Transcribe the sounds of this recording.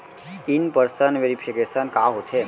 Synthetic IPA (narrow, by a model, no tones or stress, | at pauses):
inpəɾsənʋeɾipʰikesənkaɦot̪ʰe